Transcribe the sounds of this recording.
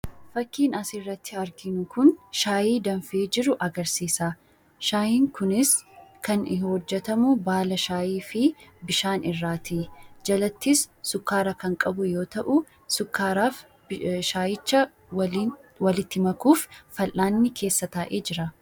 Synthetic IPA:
fɐkːiːnɐsɪrːɐt̪ʰːɪɐɾɡɪnʊkʊnʃaːjiːd̪ɐɱfeːd͡ʒɪɾʊʔɐɡɐɾsiːsaː | ʃaːjiːŋkʊnɪskɐnɪhɔd͡ʒːɛt̪ɐmʊbaːlɐʃaːjiːfɪbɪʃaːnɪrːaːt̪ʰiːd͡ʒɐlɐt̪ːɪsːʊkːaːɾɐkɐŋkʼɐbʊjo̞ːt̪ɐʔʊ | sʊkːaːɾaːf | ʃaːjɪt͡ʃːɐ | wɐlɪt̪ːɪmɐkuːfːɐlʔaːnːɪkʰe̞ːsːɐt̪aːʔeːd͡ʒɪɾɐ

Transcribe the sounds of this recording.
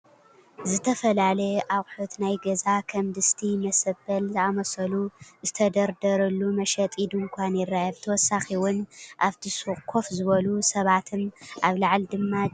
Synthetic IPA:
zɨt̪ʰɐfɐlalɐʔaɣʼħot̪najɡɐzakʰɐmd̪ɨst̪ʰimɐsɐbɐlzɨamɐsɐluzɨt̪ʰɐd̪ɐɾd̪ɐɾɐlːumɐʃɐt̪ʼid̪ɨŋkʷʰanjɪrajɐβt̪ʰɐwɔsaxiwʊnʔaβt̪ʰisuχʼkʰo̞fzɨβɐlusɐβat̪ʰɨnʔaβlaʕld̪ɨmːa

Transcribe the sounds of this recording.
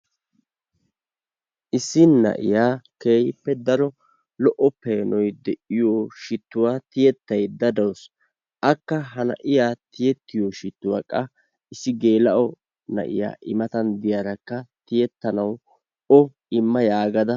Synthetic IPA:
ʔɪsːɪnɐ̰ʔɪ̰jaːkeːhɪpːɛd̪ɐɾɔ | lɔʔɔpːeːnɔjd̪ɛʔɪjoːʃɪt̪ːʊwaːt̪ɪjɛt̪ːɐjd̪ɐd̪ɐws | ʔɐkːɐɦɐnɐ̰ʔɪjaːt̪ɪjɛt̪ːɪjoːʃɪt̪ːʊwa̰ːkʼːɐ | ɪsːɪɡe̞ːlɐʔɔ | nɐ̰ʔɪ̰ja̰ːʔɪmɐt̪ɐnd̪ɪjaɾɐkːɐt̪ɪjɛt̪ːɐnɐw | ɔ | ɪmːɐjaːɡɐd̪ɐ

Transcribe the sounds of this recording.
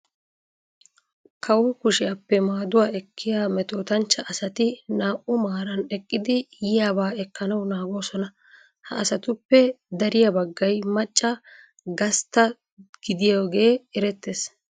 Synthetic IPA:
kʰɐwʊkʊʃɪjapːɛmaːd̪ʊwaːɛkʰːɪjaːmɛt̪o̞ːt̪ɐnt͡ʃːɐʔɐsɐt̪ɪnaːʔʊmaːɾɐnɛkʼːɪd̪ɪjɪjaːbaːɛkːɐnɐwnaːɡo̞ːsɔnɐ | hɐːsɐt̪ʊpːɛ | d̪ɐɾɪjɐbɐɡːɐjmɐt͡ʃʼːɐ | ɡɐst̪ːɐ | ɡ̥ɪd̪ɪjoːɡe̞ːɪɾɛt̪ːeːs

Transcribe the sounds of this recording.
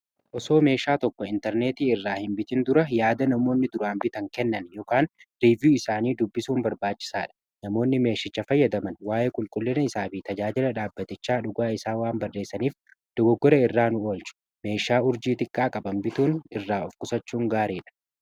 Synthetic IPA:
ʔɔso̞ːme̞ːʃaːt̪ɔkːɔɪnt̪ɛɾne̞ːt̪iːɪrːaːhɪmbɪt̪ɪnd̪ʊɾɐjaːd̪ɐnɐmo̞ːnːɪd̪ʊɾaːmbɪt̪ɐŋkɛnːɐnjɔːkaːnɾivjuːɪsaːniːd̪ʊbːɪsuːnbɐɾbaːt͡ʃːɪ̥saːᶑɐ̥ | nɐmo̞ːnːɪme̞ːʃɪt͡ʃːɐfɐjːɐd̪ɐmɐnwaːʔeːkʼʊlkʼʊlːɪnɐɪsaːfit̪ɐd͡ʒaːd͡ʒɪlɐᶑaːbːɐt̪ɪt͡ʃːaːᶑʊɡaːɪsaːwaːnbɐrːe̞ːsːɐniːf | d̪̥ɔɡɔɡːɔɾɐɪrːaːnʊo̞ːlt͡ʃʊ̥ | me̞ːʃaːʊɾd͡ʒiːt̪ʼɪkʼːaːkʼɐbɐmbɪt̪uːnɪrːaːɔfkʊsɐt͡ʃːuːŋɡaːɾiːᶑɐ̥

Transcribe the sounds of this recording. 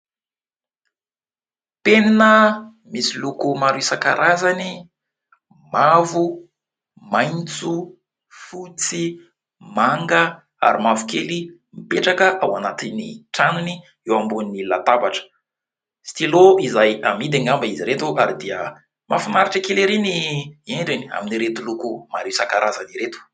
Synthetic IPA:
peninə | misilukumaɾuisakaɾazani | mavu | majnt͡su | fut͡si | maŋɡə | a̰ɾimavu̥keli | mipeʈ͡ʂakəʔawanat̪iniʈ͡ʂanuni | ewambunnilat̪abaʈ͡ʂə̥ | si̥t̪iloizajamid̪aŋambaiziɾet̪uʔaɾid̪iə | mʔafinaɾiʈ͡ʂəkeleɾinieɳɖ͡ʐinia̰miniɾet̪ulukumaɾisakaɾʔazaniɾet̪u̥

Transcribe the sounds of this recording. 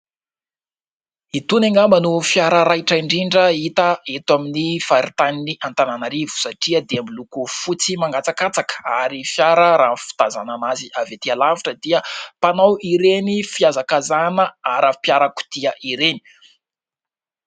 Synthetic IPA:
it̪uneŋɡambənufjaɾəɾajʈ͡ʂaiɳɖ͡ʐiɳɖ͡ʐəit̪əet̪waminifaɾit̪aniniʔant̪ananaɾivu̥saʈ͡ʂiəd̪eamilukufut͡simaŋɡat͡sakat͡sakə̥aɾifjaɾəɾaːnfi̥t̪azananaziavet̪ialaviʈ͡ʂəd̪iəpanawiɾenifiazakazanəaɾapjaɾəku̥d̪̥iəʔiɾeni̥

